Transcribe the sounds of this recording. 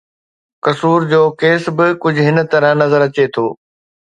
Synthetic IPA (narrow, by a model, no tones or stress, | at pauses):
kɐsuːɾd͡ʑoːkeːsbɪkʊd͡ʑʱʊɦɪnət̪ɐɾə̃ɦnɐzəɾɐt͡ɕet̪ʰoː